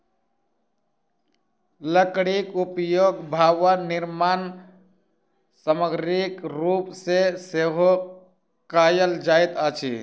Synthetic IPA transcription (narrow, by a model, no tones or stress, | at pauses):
ləkɽikupjoɡbʱaʋaniɾman | səməɡɾikɾupseseɦo | kajəld͡ʒajt̪ət͡ʃʰḭ